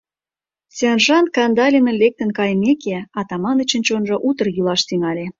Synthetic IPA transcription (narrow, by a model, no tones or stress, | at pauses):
senʒɑnkɑnd̪ɑlʲemə̆nlek̚t̪ə̆nkɑjmekeɑt̪ɑmɑnə̆t͡ɕə̆nt͡ɕonʒɤ̆ʔut̪ə̆rjylɑʃt̪iŋɑlʲe